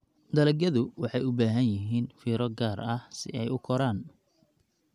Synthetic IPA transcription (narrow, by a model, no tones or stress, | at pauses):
d̪ɐlɐɡjɐðʊwɑħɑjʊbaːɦɐnjɪɦiːnfiːɾɔɡaːrɐhsɪ̰ɛjʊkʰɔɾaːn